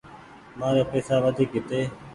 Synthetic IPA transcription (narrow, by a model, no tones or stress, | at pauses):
maːɾeːpeːsaːʋəd̪ʱiːkɪt̪eː